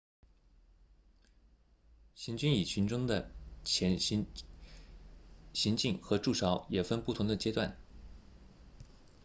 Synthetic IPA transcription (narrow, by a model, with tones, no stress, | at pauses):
ɕi˧˥nt͡ɕy˥ni˨˩t͡ɕʰy˧˥nʈ͡ʂʊ˥ŋd̪ə˨t͡ɕʰɛ˧˥n | ɕi˧˥ŋt͡ɕi˥˩nxɤ˧˥ʈ͡ʂu˥˩ʂɑ˧˥ʊjɛ˨˩fə˥npu˥˩t̪ʰʊ˧˥ŋd̪ə˧˨t͡ɕjɛ˥t̪wa˥˩n